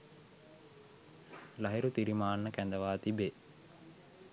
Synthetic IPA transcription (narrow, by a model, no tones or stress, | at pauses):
lɐɦeɾut̪iɾimaːnːəkænd̪əʋaːt̪ibe